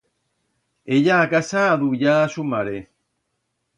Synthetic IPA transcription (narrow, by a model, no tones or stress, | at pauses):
ejaːkasaðujaʃumaɾe